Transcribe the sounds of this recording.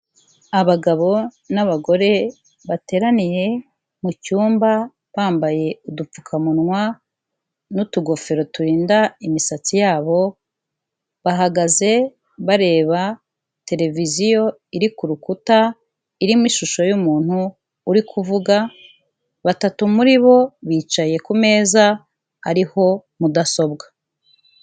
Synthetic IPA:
aβaɡaβo̞ | naβaɡo̞ɾe̞ | βate̞ːɾanije̞ | mucuːmba | βaːmbaje̞udup͡fu̥kʰamunŋwa | nutuɡo̞fe̞ɾo̞tuɾiːndaimisat͡sijaːβo̞ | βaɦaɡaze̞ | βaɾe̞ːβa | te̞ɾe̞vizijo̞ | iɾikuɾukuta | iɾimwiʃuʃo̞jumuːn̥huː | ɾikʰuvuɡa | βatatumuɾiβo̞βiːt͡ʃaje̞kume̞ːza | aɾiho̞mudaso̞b̚ɡḁ

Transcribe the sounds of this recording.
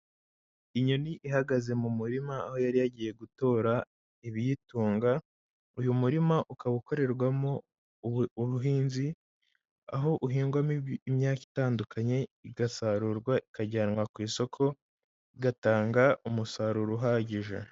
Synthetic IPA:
iɲoniʔiɦaɡaze̞mumuɾimaːho̞jaɾijaɟiːje̞ɡuto̞ːɾa | iβijituːŋɡa | ujumuɾimaʔukaβuko̞ɾe̞ɾɡwamo̞ | βuɦiːnzi | a̰ɦo̞ʔuɦiːŋɡwamiimɲaːki̥taːndukʰaɲe̞iɡasaɾuɾɡwaikaɟanŋwakwiːso̞kʰo̞ | iɡataːŋɡaumusaɾuɾuɦaːɟiʒa̰

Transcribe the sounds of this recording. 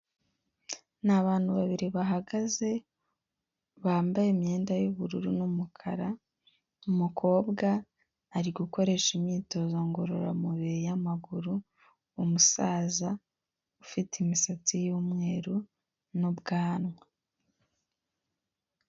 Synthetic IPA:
naβaːn̥huβaβiɾiβaɦaɡaze̞ | βaːmbajemɲe̞ːndajuβuɾuɾunumukʰaɾa | umukʰo̞ːbɡaː | ɾiɡuko̞ɾe̞ʃimɲiːto̞zoŋɡo̞ɾo̞ɾa̰muβiɾijamaɡuɾuː | musaːza | ufitimisat͡sijuːmŋe̞ːɾu | nubɡaːnwa

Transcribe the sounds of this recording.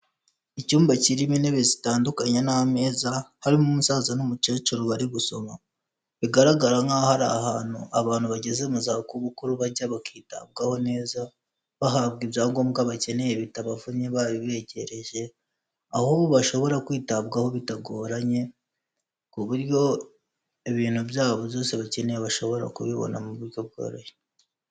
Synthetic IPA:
icuːmbaciɾimineβezitaːndukaɲanaame̞ːzahaɾimumusaːzanumut͡ʃet͡ʃuɾuβaɾiɡuso̞ma | βiɡaɾaɡaɾaŋɡahaɾahaːn̥hṵʔaβaːn̥huβaɟe̞ze̞muzakuβukuɾuβaɾɟaβakiːta̰b̚ɡaho̞ne̞ːza | βaɦaβɡibjaːŋɡomɡaβace̞ne̞je̞βitaβavuɲeβaβiβe̞ːɟe̞ɾe̞ʒe̞ | ahuβoβaʃo̞βo̞ɾakwiːtaβɡaho̞βitaɡo̞ːɾaɲe̞ | kuβuɾjo̞ | eβiːn̥hubjaːβo̞jo̞ːse̞βace̞ne̞jeβaʃo̞βo̞ɾa̰kuβiβo̞̰namuβuɾɟo̞b̚ɡo̰ːɾoje

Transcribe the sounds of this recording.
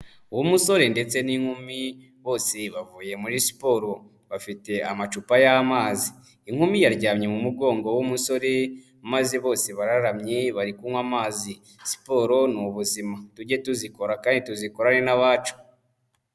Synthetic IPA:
uwumuso̞ɾe̞nde̞t͡se̞niŋ̥humi | βo̞ːse̞βavuːje̞muɾisi̥po̞ɾo̞ | βafite̞amat͡ʃupajamaːziː | ŋ̥humijaɾɟaːmɲe̞mumuɡo̞ːŋɡowumuso̞ɾe | maziβo̞ːse̞βaɾaɾamɲe̞βaɾikuŋwamaːzi | si̥po̞ɾo̞nuβuzimatuɟe̞tuziko̞ɾakaːndituziko̞ɾane̞naβaːt͡ʃu̥

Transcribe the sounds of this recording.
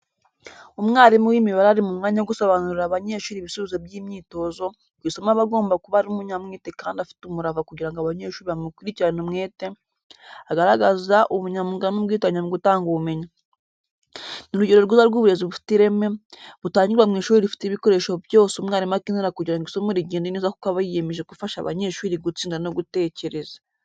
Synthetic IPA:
umŋaːɾimuwiːmiβaɾaaɾimumŋaːɲaoɡusoβanuɾiɾaβaɲe̞ːʃuːɾiβisuβizobjiːmɲiːto̞zo̞ | ɡwisomaβaɡo̞ːmbakuβaɾiumuɲamŋeːtekaːndafi̥tumuɾavakuɟiɾaŋɡoaβaɲe̞ːʃuːɾiβamukwiɾiciɾanumŋeːte̞ | aɡaɾaɡazaʔuβuɲamuɡanubɡiːt̬aɲamuɡutaːŋɡuβume̞ɲa | niɾuɟeɾo̞ɾɡizaɾɡuːβuɾe̞ziβufi̥tiɾe̞me̞βutaːɲɟiɾamŋeːʃuːɾiɾifi̥tiβiko̞ɾe̞ːʃo̞bjo̞ːseumŋaːɾimakiniɾakuɟiɾaŋɡisomeɾiɟiːndunizaku̥kaβajije̞meʒekufaʃa̰βa̰ɲe̞ːʃuːɾiɡut͡siːŋɡanoɡute̞ːce̞ɾe̞zḁ

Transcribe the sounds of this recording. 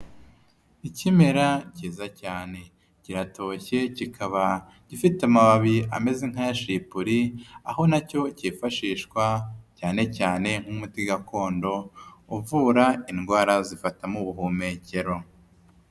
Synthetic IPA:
icime̞ɾaciːzacaːne̞ | ciɾato̞çe̞cikʰaβa | ɟ̥ifitamaβaβia̰me̞zeŋ̥hajaʃipuɾiaho̞naco̞ciːfaʃiːʃkwacaːne̞caːne̞ŋ̥humutiɡakʰo̞ːndo̞uvuːɾainɡwaːɾazifatamuβuɦuːme̞ce̞ɾo̞

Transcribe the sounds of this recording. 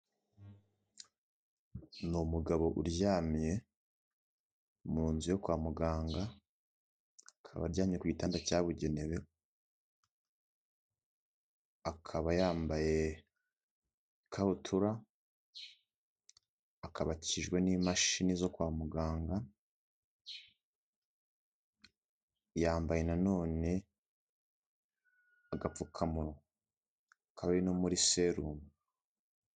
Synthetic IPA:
numuɡaβo̞ʔuɾɟjaːmɲe̞ | muɾuːnzujo̞kwaːmuɡaːŋɡa | kʰa̰βa̰ɾɟaːmɲe̞kwuɟitaːndacaːβuɟe̞neβe | akʰaβajaːmbaje̞ | kʰaβutʰuɾa | kʰaβaciʒɡwe̞niːmaʃinizo̞kwaːmuɡaːŋɡa | jaːmbaje̞nano̞ːne̞ | aɡap͡fukʰamuɾo | akʰaβaβinomuɾise̞ɾuːmu

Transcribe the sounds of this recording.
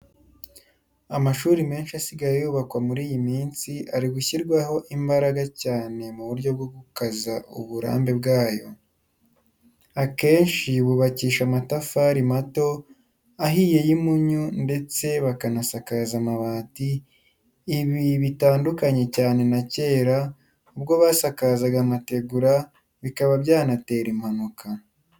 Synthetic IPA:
amaʃuːɾime̞ːnʃiasiɡajejuːβakwamuɾiːjimiːnsiʔaɾiɡuçiɾɡwaho̞ʔimbaɾaɡacaːne̞muβuɾɟo̞b̚ɡo̞ɡukazaṵβuɾa̰ːmbe̞bɡaːjo̞̰ | ake̞ːnʃiβuβaciːʃamatafaɾimato̞ | aɦiːje̞jimuɲunde̞t͡se̞βakanasakazamaβaːtiː | βiβitaːndukaɲe̞caːne̞nace̞ːɾa | ubɡo̞βasakazaɡamate̞ɡuɾa | βikaβabɟaːnate̞ːɾim̥hanukʰa

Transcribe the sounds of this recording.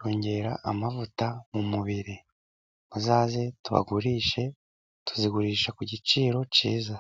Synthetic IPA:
ɾoːɲɟe̞ɾaʔamavutamumuβiɾi | muzaːze̞tuβa̰ɡuɾiːʃe̞ | tu̥ziɡuɾiːʃakuɟit͡ʃiːɾo̞ciːza

